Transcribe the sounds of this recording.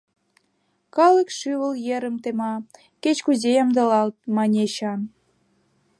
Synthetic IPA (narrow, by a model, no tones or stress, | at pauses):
kɑlə̆kʃyβə̆ljeɾə̆mt̪emɑ | ket͡ɕkuzejɑmd̪ɤ̆lɑlt̪̚mɑnʲeɕɑn